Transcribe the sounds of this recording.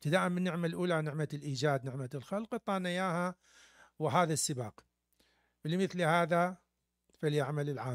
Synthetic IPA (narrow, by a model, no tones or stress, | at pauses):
t̪ad̪aːʔɪmːɪnːɪʕmalʔuːlanɪʕmalʔiːd͡ʒaːd̪nɪʕmalxalqt̪ˤːɑːnajaːha | wɪɦaːðasːɪbaːq | bɪlmɪθlhaːða | faljaʕmalɪlʕaː